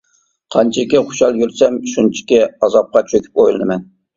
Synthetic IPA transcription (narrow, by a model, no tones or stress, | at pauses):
qʰɑnt͡ʃʰɪkʲɪχʊ̥ʃɑlˠjyɾsɛmʃunt͡ʃʰɪ̥kʲɛɑzɑp̚qɑt͡ʃʰøkʲʰy̥p̚ojlˠɨnɨmɛn